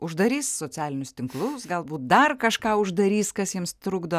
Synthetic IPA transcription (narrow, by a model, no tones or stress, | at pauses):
ʊʒd̪ɐɾʲiːssoːt͡sʲæːlʲɪnʲʊst̪ʲɪŋklˠʊsɡɐlˠbuːt̪̚d̪ɐrkɐʃkɑːʊʒd̪ɐɾʲiːskɐsjiɛmst̪ɾʊɡd̪oː